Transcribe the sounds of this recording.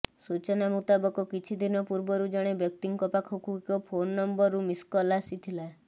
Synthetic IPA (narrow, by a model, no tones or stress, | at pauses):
sut͡ʃɔnamut̪abɔkɔkit͡ʃʰid̪ʱinɔpuɾbɔɾud͡ʒɔɽ̃ebjɔk̚t̪iŋkɔpakʰokuikɔpʰonːɔmbɔɾːumiskɔlasit̪ʰila